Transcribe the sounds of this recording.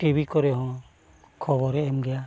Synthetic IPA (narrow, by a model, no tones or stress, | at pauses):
ʈibʱikɔɾeɦɔ̃ | kʰɔbɔɾɛːmɡɛja